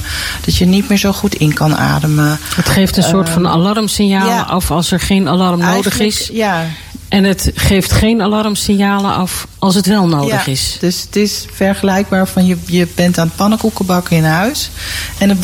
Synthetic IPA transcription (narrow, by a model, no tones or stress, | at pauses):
d̥ɑtjənitmɪːɹzowχutʰɪnkɑna̰ːdəməətχejftənsoːɹtfɑna̰lɑrmsɪnjaːlə̰ʔɑfɑlˠsɛɹχejnalɑrmnowdəχɪsja | ʔɛnətχejftχejnalɑrmsɪnjaːləɑfʔɑlˠs̬ətʋɛlˠnowdəχɪsd̥øsətɪsfɛɹχəlɛjɡ̚baːɹfɑnjəjəbɛntaːnəpɑnəkukəbɑkɪnɦœɥsɛnə